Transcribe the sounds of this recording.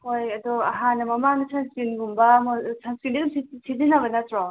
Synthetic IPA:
ojɐdɔɐɦanːɐmɐmaŋnɐsʰanskinɡumbɐmɔsʰanskindiɡɯmsisidinɐbɐnɐtɾɔ

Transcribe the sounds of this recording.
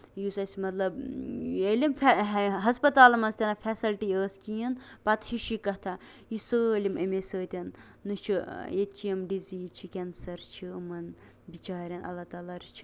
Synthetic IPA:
jusɐsʲimɐt̪lɐbelʲimfʰɦɐspɐt̪aːlɐmɐnst̪ʲenɐfʰʲɛsilʈiəːskijɐnpɐt̪ʃiʃikɐt̪ʰɐ | jisəːlʲimʔɐ̰mesəːt̪ʲɐnː | ɨt͡ʃʰiet͡ʃijɐmɖiziːt͡ʃʰikʲɛnsɐɾt͡ʃʰiɨmɐn | bit͡ʃaːɾʲɐnɐ̰lːɐt̪aːlaːɾit͡ʃʰi̥

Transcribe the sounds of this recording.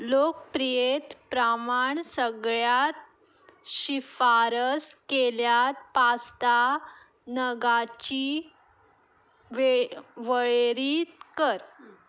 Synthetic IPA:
lok̚pɾijet̪pɾamaɳsəɡɭjat̪̚ | ɕifaɾəskeljat̪̚past̪a | nəɡat͡ɕi | ʋeʋəɭeɾit̪̚kəɾ

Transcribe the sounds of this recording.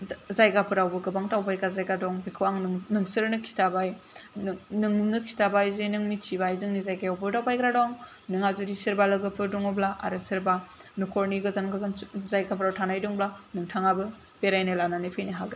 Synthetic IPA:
zajɡapʰɯɾawbɯɡɯbaŋtawbajɡazajɡadɔŋbikʰɯwaŋnɯŋsɯɾnɯkʰi̥tabaj | nɯŋumnɯkʰi̥tabajzenɯŋmit͡ʃʰibajzɯŋnizajɡajawbɯdawbajkɾadɔŋ | nɯŋazuɾisɯɾbalɯɡɯpʰɯɾdɔŋɯblaʔa̰ɾɯsɯɾba | nukʰɔɾniɡɯzanɡɯzanzajɡapʰɾawtʰanajdɔŋblanɯŋtʰaŋabɯ | peɾajnɯlananepʰɯjniɦaɡɾa

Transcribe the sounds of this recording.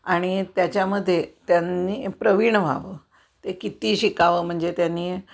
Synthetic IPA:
aɽ̃it̪jat͡ɕjaməd̪ʱːjet̪janːiːpɾəʋiɳəʋ̤ʱa̰ʋəː | t̪ekit̪iːɕikaʋəːm̤əɳd͡zet̪janːiː

